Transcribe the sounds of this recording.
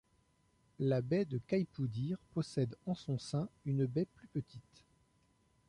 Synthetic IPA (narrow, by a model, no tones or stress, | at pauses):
labɛd̪əkajpud̪iʁpɔsɛd̪ɑ̃sɔ̃sɛ̃ynbɛplypət̪ʰit̪